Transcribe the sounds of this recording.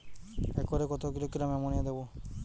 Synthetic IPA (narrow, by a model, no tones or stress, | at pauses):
ekɔɾekɔt̪ʰɔkiɾɔkiɾamɛmɔɽ̃iad̪ebɔ